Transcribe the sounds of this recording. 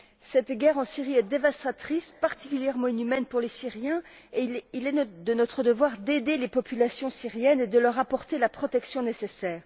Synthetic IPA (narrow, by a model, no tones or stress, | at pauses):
sɛt̪ɡʲɛʁɑ̃siʁiɛd̪evast̪χat̪χispaʁt̪i̥kʲyljɛʁmɑ̃inymɛnpuʁlesiʁjɛ̃ | eilɛd̪ənɔt̪χəd̪əvwaʁd̪ed̪elepɔpylasjɔ̃siʁjɛned̪əlœʁapɔʁt̪elapχɔt̪ɛksjɔ̃nesesɛːʁ